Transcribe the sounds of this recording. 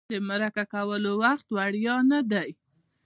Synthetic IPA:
d̪əmaɾakakawəlowaxt̪waɽjɑnad̪aj

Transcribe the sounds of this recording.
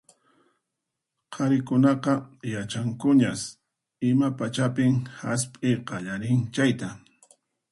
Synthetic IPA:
qʰɑɾɪkʊnɑqɑjat͡ʃaŋkʊɲas | ɪmapat͡ʃapɪmhaspʼɪqɑʎaɾɪŋt͡ʃajt̪a

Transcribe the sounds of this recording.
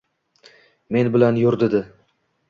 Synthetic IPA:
me̞nbɪlanjʊɾd̪ɪd̪ɪ

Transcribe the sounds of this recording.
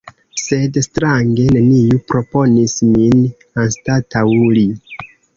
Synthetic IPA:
se̞dstɾaŋɡe̞ne̞nijupɾo̞po̞nismin | anstatawuli

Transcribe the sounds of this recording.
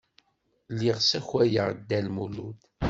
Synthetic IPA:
lːiʁsæçwæjəʁd̪ːælmulud̪

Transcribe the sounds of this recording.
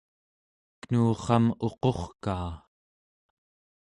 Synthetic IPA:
knuːχɑmo̞qo̞χkaː

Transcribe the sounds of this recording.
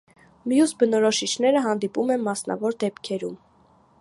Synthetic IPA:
mjusbənɔɾɔʃit͡ʃʰn̪ɛɾəɦɑnd̪ipumɛnmɑsnɑ̰vɔɾd̪ɛpkʰɛɾum

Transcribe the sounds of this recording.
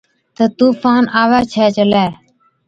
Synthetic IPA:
t̪ət̪uːfaːnaːʋɛːt͡ʃʰɛːt͡ʃəlɛː

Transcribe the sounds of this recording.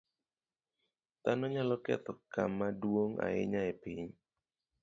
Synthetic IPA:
t̪anɔɲalɔkɛ̰t̪ɔkamːadwoŋa̰ɪ̰ɲaepiɲ

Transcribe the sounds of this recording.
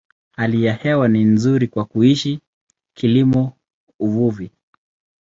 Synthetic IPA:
halijahɛwaninzuɾikwakuiʃi | kʰilimɔ | uvuvi

